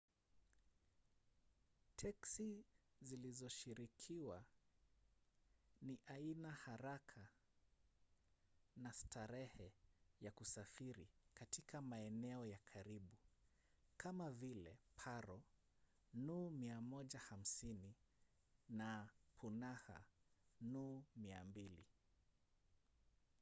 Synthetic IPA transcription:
tʰɛksizilizɔʃiɾikʰiwa | niʔainahaɾakʰa | nastʰaɾɛhɛjakusafiɾḭkatikʰamaɛnɛɔjakʰaɾiɓu | kamavilɛ̰pʰaɾɔ | numiamɔʄaham̩sini | napʰunaha̰numiambilḭ

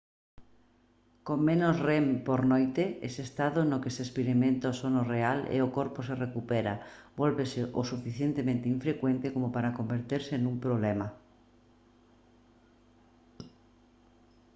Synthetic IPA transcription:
koŋmẽnozrempoɾnojt̪eḛsest̪aðonokeseːspeɾimẽnt̪aosonorealḛokoɾposerekupeɾabolβeseʔosufiθjent̪emẽnt̪eiɱfɾekwent̪ekomopaɾakombeɾt̪eɾsenũmpɾoβlema

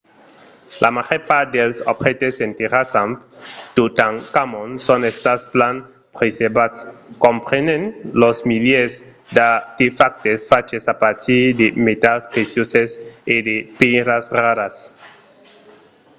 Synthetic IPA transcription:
lʔamaχeɾpad̪elsobχet̪esent̪eɾasamt̪ut̪aŋkamonsonest̪asplan | pɾesebatskompɾenenlosmiljez | d̪at̪ifak̚t̪esfat͡ʃesapaɾt̪id̪emet̪aspɾesjosesed̪epeɾasraɾas

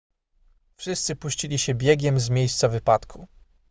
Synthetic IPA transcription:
fʂɘst̪sɘpuɕt͡ɕilʲiɕɛbʲjɛɡʲɛmzmʲjejst̪savɘpat̪kʰu

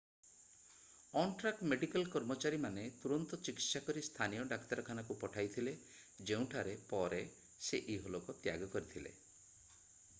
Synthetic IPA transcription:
ɔɳʈɾak̚ʈmeɖikalkɔɾmɔt͡ʃaɾimanet̪uɾɔnt̪ɔt͡ʃikit̪sakɔɾist̪ʰanijɔɖakt̪aɾɔkʰanakupɔʈʰajt̪ʰile | d͡ʒeũʈʰaɾepɔɾe | seʔiɦolɔkɔt̪jaɡɔkɔɾit̪ʰilḛ

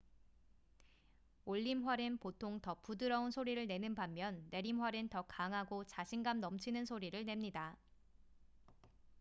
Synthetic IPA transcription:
oʎːimɦwaɾɯnpotʰoŋtʌpudɯɾʌunsʰoɾiɾɯɭne̞nɯnbamːjʌnːe̞ɾimɦwaɾɯntʌkaŋɦaɡot͡ɕaɕʰinɡamnʌmt͡ɕʰinɯnsʰoɾiɾɯɭne̞mɲida

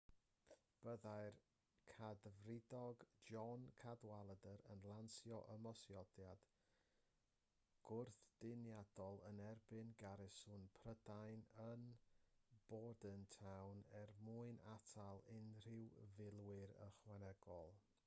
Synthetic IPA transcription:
b̥əðajr | kʰadvrɪdɔɡd͡ʒɔnkʰadwalˠədəɾənlˠansjɔʔəmɔsjɔdjad̥ | ɡ̥ʊrθd̥ɪnjad̥ɔlˠənɛrbɨnɡaɾɪsʊnpʰrədajnən | b̥ɔdəntʰawnɛrmuɨnatʰalˠɪnr̥ɪwvɪlˠwɪɾə̰χwɛnɛɡ̥ɔlˠ

